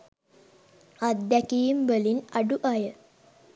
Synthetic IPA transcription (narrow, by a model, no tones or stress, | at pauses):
ad̪ːækijimbəlinaɖuʔajə